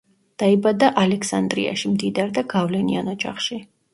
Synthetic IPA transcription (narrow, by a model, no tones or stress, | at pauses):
d̪̥aibad̪aʔalɛksand̪ɾḭa̰ʃimd̪id̪aɾd̪aɡavlɛnḭanɔd͡ʒa̰χʃi